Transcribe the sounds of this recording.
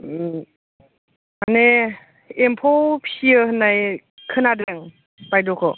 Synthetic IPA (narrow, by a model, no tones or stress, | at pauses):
ane | empʰɔwpʰiəhɯnːaj | kʰɯnadɾeŋ | bajdɔkʰɔ